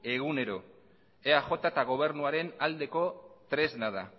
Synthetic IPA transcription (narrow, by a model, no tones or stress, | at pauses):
e̞ɣ̞une̞ɾo̞ | eaxo̞t̪at̪aɣ̞o̞β̞e̞ɾnuaɾe̞nald̪e̞ko̞t̪ɾe̞znað̞a̰